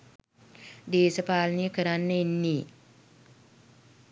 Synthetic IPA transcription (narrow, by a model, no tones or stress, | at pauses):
deːsɐpaːlnikəɾanːəinːi